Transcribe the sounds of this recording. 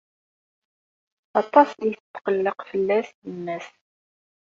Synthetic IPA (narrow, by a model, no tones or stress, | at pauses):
ɑt̪ˤːɑsiθt̪ːə̥qəlːəqfəlːæstənːæs